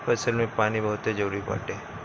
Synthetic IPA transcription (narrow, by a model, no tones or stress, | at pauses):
pəsəlmẽpaːnibəɦʊt̪ed͡ʒoɽipa̰ːʈe